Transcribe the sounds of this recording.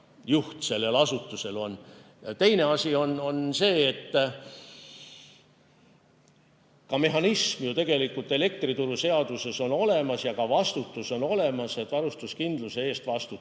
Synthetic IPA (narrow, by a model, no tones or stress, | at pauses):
juht̪se̞lːelɑsut̪ːˑuse̞lo̞n | jɑt̪e̞jne̞ɑsʲio̞no̞nse̞ːt̪ː | kɑme̞ɦɑnismjut̪e̞ɡ̥e̞likːult̪ːˑe̞le̞k̚t̪rit̪uɾuse̞ɑd̪̥use̞so̞no̞le̞mɑsjɑkɑvɑst̪ut̪ːˑuso̞no̞le̞mɑse̞t̪ːˑvɑɾust̪uskind̪̥lusee̞ːst̪vɑst̪u